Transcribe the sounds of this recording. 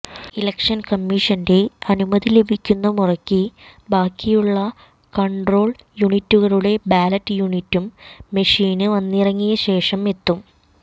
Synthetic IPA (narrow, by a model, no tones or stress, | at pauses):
ilɐkʂɐnkɐmːiːʂɐnde̞ɐnumɐðile̞bʱikʲːunːɐmurɐkʲːibaːkːijuɭːɐ | kɐɳɖro̞ːɭjuɳitːuɣɐɭuɽe̞baːlɐtːjuːɳitːumːeʂiːnɨʋɐnːirɐŋːijɐɕe̞ːʂɐmet̪ːum